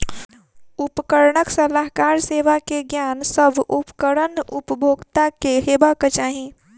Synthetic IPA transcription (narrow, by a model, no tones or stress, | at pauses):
upkəɾɳəksəlaɦkaɾseʋakeɡjansəbʱupkəɾənupəbʱoɡt̪akeɦebakət͡ʃaɦi